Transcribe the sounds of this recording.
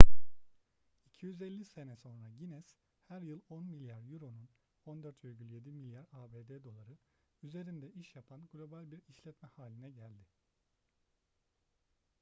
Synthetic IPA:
icʰijyzelʲːise̞nɛso̞nɾaɟinɛz̥ | hæɾjɯlˠonmilʲjaɾjuɾo̞nun | ond̪øɾt̪veɾɟʲylʲje̞d̪imilʲjaɾaːbeːd̪eːd̪o̞lˠaɾɯyze̞ɾind̪ɛʔiʃjapʰanɡlʲo̞balʲbiɾiʃlʲɛt̪mɛhaːlʲinɛɟælʲd̪ɪ

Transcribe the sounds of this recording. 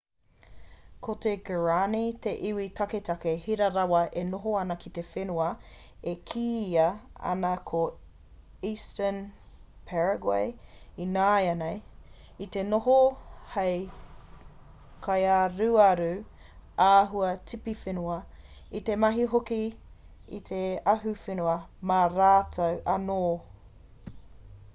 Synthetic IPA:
kʰoteɡəɹanit̪e̞ʔiwitʰɐketʰɐkehiɾɐɾɐwɐʔenoɦoɐnɐkʰit̪efenuɐ | ekʰiːɐɐ̰nɐkʰo | iːstən | pʰɛɹɐɡwa̰jinaːjɐnej | it̪e̞noɦohej | kʰɐjaɾuɐɾu | aːɦuɐtʰipifenuɐ | it̪e̞mɐɦiɦoki | ḭt̪ʰeɐɦufenuɐmaɾaːtʰɐwʔɐnoː

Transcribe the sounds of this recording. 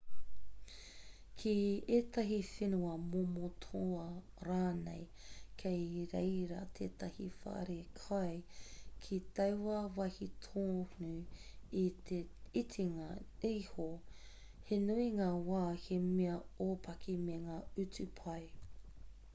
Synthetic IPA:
kʰieːtɐɦifenuɐmomotʰoɐ | ɾaːnḛj | kʰejɾḛjɾɐ̰t̪ʰeːt̪ɐhifɐ̰ʔɐ̰ɾekʰɐjkʰitɐwwɐvɐhitʰoːnuieitʰiŋaiːho | henuiŋaːwaːhemeɐoːpʰɐkʰimeŋaːʉt͡sʉpʰɐj

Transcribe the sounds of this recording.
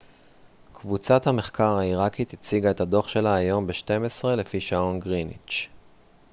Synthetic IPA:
kvut͡sathame̞χkaʁhaiʁakit̪it͡siɡae̞thad̪o̞χʃe̞laːjo̞mbeʃte̞mesʁe̞le̞fiʃaonɡʁinḭt͡ʃ

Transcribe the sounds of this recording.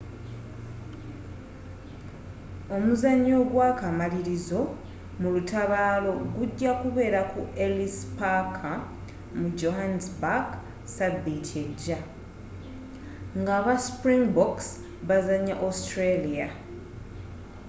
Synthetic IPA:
o̞muzaɲːo̞ːɡwaːkamaliɾizo̞ | mulutaβaːlo̞ɡuɟːakuβe̞ːɾakuelispakʰa | mud͡ʒo̞ɦansbak | saditʰeɟːa | ŋɡaːβaspɾiŋɡboks | βazaɲːaʔostɾelija

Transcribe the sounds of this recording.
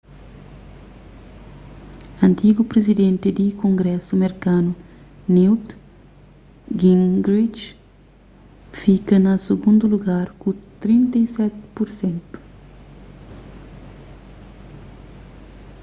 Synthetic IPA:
ɐ̃nt̪iɡupɾezid̪ẽnt̪ɪd̪ikõŋɡɾɛsumeɾkanu | niwt̪ | ɡĩŋɡɾit͡ʃ | fikɐnɐseɡũnd̪uluɡaɾkut̪ɾĩnt̪ɐjsɛt̪ɪ̥puɾsẽnt̪u̥

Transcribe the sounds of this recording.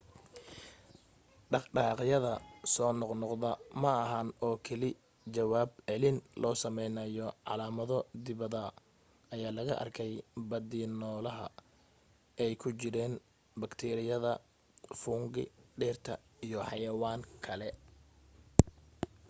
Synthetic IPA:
ɖɑχɖɑːqjɐðɐsɔːnɔqnɔqðɐmɐːɦɐnɔːkʰɛlɪ | t͡ʃɐwaːbʕɛlɪnlʔɔːsɐmɛjnɐjɔʕɑlaːmɐðɔd̪ɪβɐðɐ | ɐjaːlɐɣɐʔɐ̰rkʰɛjbɐd̪iːnɔːlɐɦɐ̰ | ɛjkʰʊt͡ʃɪɾɛːn | bɐkt̪ʰɛːɾɪjɐðɐ | fuːŋɡɪ̰ɖɛːrt̪ʰɐ̰ijɔħɑjɐwaːŋkʰɐlɛ

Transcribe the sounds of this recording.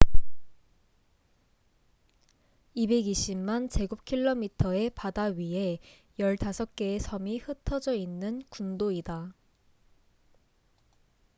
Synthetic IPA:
ibe̞ɡiɕ͈ʰimmant͡ɕe̞ɡup̚kʰiɭːomitʰʌe̞padaɥiɦe̞ | jʌɭtasʰʌk̚k͈e̞ːsʰʌmihɯtʰʌd͡ʑʌinːɯnkundoida

